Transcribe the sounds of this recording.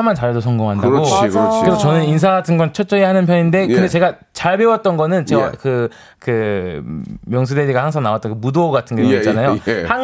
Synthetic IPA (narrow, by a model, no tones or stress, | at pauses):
mant͡ɕajʌdosʰʌŋɡoŋɦandaɡoɯɾesʰʌt͡ɕʌnɯninsʰaɡatʰɯnɡʌnt͡ɕʰʌt͡ɕ͈ʌihanɯnpʰjʌninde̞kɯnde̞t͡ɕe̞ɡa | t͡ɕaɭbe̞wʌt̚t͈ʌnɡʌnɯnt͡ɕeakɯ | kɯ | mjʌŋs̬ʰudeɾiɡahaŋsʰaŋnawat͈ʌnkɯmudoːɡatʰɯnɡʌoit͡ɕt͡ɕanajohaŋ